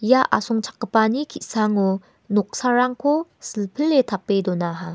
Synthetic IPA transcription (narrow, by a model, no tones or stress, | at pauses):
jaʔa̰sʰoŋt͡ɕʰḁkːɯpaɲikʰisʰaŋo | nok̚sʰaɾaŋkʰosɯɭpʰɯɭetapːedonaɦa